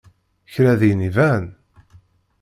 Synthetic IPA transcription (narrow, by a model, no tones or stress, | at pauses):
çɾæðinivæn